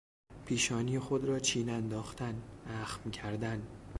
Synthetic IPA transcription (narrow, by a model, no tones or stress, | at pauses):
pʰiːʃɒːniːexod̪ɾɒːt͡ʃʰiːnænd̪ɒːxt̪ʰænæxmcʰæɾd̪æn